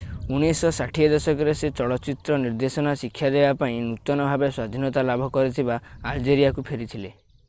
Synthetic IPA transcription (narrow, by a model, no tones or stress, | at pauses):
unisɔsaʈʰiɔd̪ɔsɔkɔɾeset͡ʃɔɭɔt͡ʃit̪ɾɔniɾd̪esɔnasikʰːjad̪ebapaĩnut̪ɔnɔbʱabeswad̪ʱinɔt̪alabʱɔkɔɾit̪ʰibaːld͡ʒeɾijakupʰeɾit̪ʰile